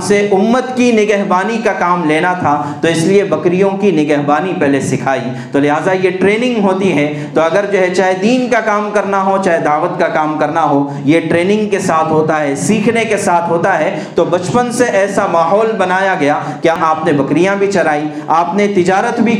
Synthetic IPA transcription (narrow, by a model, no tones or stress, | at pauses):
seʔʊmːət̪kinɪɡɛɦbaːnikakaːmleːnat̪ʰat̪oɪsliebɐkɾijõkinɪɡɛɦbaːnipɛɦlesɪkʰaːi | t̪olɪɦaːzajeʈɾeːnɪ̃ŋɡɦoːt̪iɦɛ | t̪oɐɡəɾd͡ʒoːɦɛt͡ʃaːɦed̪iːnkakaːmkɐɾnaɦot͡ʃaːɦed̪aːʋət̪kakaːmkɐɾnaɦo | jeʈɾeːnɪ̃ŋɡkesaːt̪ʰɦoːt̪aɦɛsiːkʰnekesaːt̪ʰɦoːt̪aɦɛ | t̪obɐt͡ʃpənseʔɛːsamaːɦɔːlbɐnaːjaɡɐja | kjaʔaːpnebɐkɾijãbʱit͡ʃɐɾaːi | aːpnet̪ɪd͡ʒaːɾət̪bʱi